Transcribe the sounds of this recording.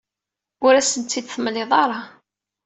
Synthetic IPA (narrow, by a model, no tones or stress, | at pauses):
ʊɾæsənt̪ːid̪θəmleðˤɑɾˤɑ